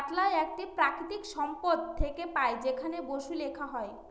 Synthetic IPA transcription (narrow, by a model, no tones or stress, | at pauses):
ʈlaeɛk̚ʈipɾakɾit̪ikʃɔmpod̪t̪ʰːekepaed͡ʑekʰaneboʃulekʰaɦɔe